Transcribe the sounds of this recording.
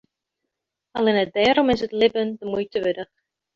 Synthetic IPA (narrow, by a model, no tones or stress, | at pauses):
alɪnət̚dɛːɾɔmɪsətlɪbəndəmujtʰəʋødəχ